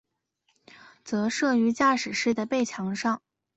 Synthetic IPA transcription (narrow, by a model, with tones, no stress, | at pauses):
t͡sɤ˧˥ʂɤ˥˩y˧˥t͡ɕja˥˩ʂɻ̩˨˩ʂɻ̩˥˩d̪ə˩pe˥˩ɪt͡ɕʰjɑ˧˥ŋʂɑ˥˩ŋ